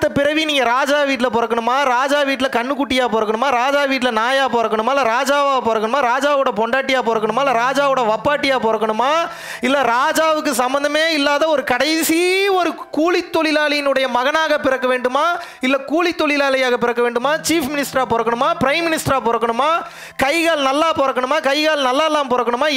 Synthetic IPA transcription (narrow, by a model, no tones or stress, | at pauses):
ɐpɪɾɐʋiniːŋɡɐɾaːd͡ʒaːʋiːʈ̬ːɪlɐpɔɾɐkːɐɳɯmaːɾaːd͡ʒaːʋiːʈːɪlɐkɐɳːɯkːʊʈːɪjaːpoːɾɐkːɐɳɯmaːɾaːd͡ʒaːʋiːʈɪlɐnaːjaːpoːɾɐkːɐɳɯmaːlɐɾaːd͡ʒaːʋaːpoːɾɐkːɐɳɯmaːɾaːd͡ʒaːʋɯɽɐpɔɳɖaːʈːɪjaːp̬oːɾɐkːɐɳɯmaːlːɐɾaːd͡ʒaːʋɯɽɐʋɐpːaːʈːɪjaːpoːɾɐkːɐɳɯmaː | ɪlːɐɾaːd͡ʒaːʋɯkːɯsɐmbɐnd̪ɐmeːɪlːaːðɐɔɾɯkɐɽɐɪsiɔɾɯkuːɭɪt̪ːɔɭɪlaːlɪjɪnɯɽɐjɐmɐɣɐnaːɣɐpɪɾɐkːɐʋeːɳɖɯmaː | ɪlːɐkuːɭɪt̪ːɔɭɪlaːlɐjaːɣɐpɪɾɐkːɐʋeːɳɖɯmaːt͡ʃiːfmɪnɪsʈɾaːpoɔːɾɐkːɐɳɯmaːpɪɾɐɪmːɪnɪsʈɾaːpoːɾɐkːɐɳɯmaː | kɐɪɣaːɭnɐlːaːpoːɾɐkːɐɳɯmaːkɐɪɣaːɭnɐlːaːlːaːmpɔːɾɐkːɐɳɯmaː